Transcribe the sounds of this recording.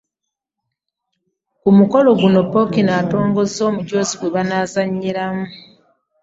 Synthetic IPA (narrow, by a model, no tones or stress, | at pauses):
kumuko̞lo̞ɡuno̞pːo̞kinaːto̞ːŋɡo̞zo̞ːmuɟo̞ːziɡwe̞βanaːzaɲːiɾamu